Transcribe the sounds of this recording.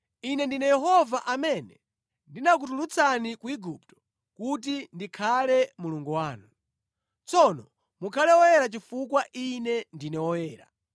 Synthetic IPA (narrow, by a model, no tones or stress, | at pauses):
inɛndinɛjɛɦɔvaʔamɛnɛ | ndinak̬utulut͡sʰanikuiɡup̚tɔ̥ | kut̬indikʰalɛmuluŋɡuwaːnu | t͡sɔnɔ | mukʰalɛwɔjɛɾat͡ʃifukwaʔinɛndinɛwɔjɛːɾa̰